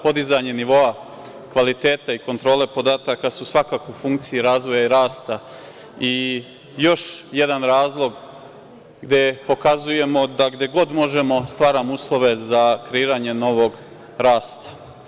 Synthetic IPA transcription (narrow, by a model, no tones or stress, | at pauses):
po̞d̪izaɲe̞niʋo̞a | kʋalit̪e̞ːt̪aiko̞nt̪ɾo̞ːle̞po̞d̪aːt̪akasusʋakaːkoufuŋk̚t̪sijiɾaːzʋo̞jaiɾaːst̪a | i | jo̞ʃje̞d̪anɾaːzlˠo̞ɡ | ɡd̪je̞po̞kazuje̞mo̞d̪aɡd̪e̞ɡo̞d̪mo̞ʒe̞mo̞st̪ʋaːɾamouːslˠo̞ʋezakɾeiːɾaɲe̞no̞ʋo̞ɡ | ɾaːst̪ḁ